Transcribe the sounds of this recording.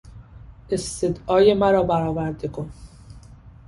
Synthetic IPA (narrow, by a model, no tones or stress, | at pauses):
ʔest̪ed̪ɒːje̞mæɾɒːbæɾɒːvæɾd̪e̞kʰon